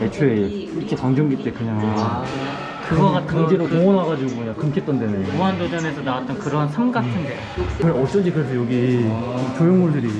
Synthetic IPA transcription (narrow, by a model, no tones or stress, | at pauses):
et͡ɕʰoeikʰet͡ɕaŋd͡ʑoŋɡit͈ekɯɲaŋ | kɯɡʌɡatʰɯŋd͡ʑeɾokoʌnaɡad͡ʑiɡokɯɲaŋkɯmkʰet͈ʌndenɯuandod͡ʑʌnesʰʌnawat͈̚ʌnkɯɾʌɦansʰaŋɡatʰɯnde | kɯɾʌs͈ʌnd͡ʑikɯɾesʰʌjoɡi | t͡ɕojoŋmuɭdɯɾi